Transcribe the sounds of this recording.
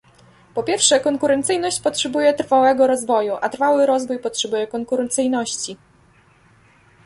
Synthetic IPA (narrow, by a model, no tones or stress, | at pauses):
pɔpʲjɛɾfʂɛkɔŋkuɾɛnt̪sɘjnɔɕt͡ɕpɔtʂɛbujɛt̪ɾfawɛɡɔɾɔzvɔjuʔat̪ɾfawɘɾɔzvujpɔtʂɛbujɛkɔŋkuɾɛnt̪sɘjnɔɕt͡ɕi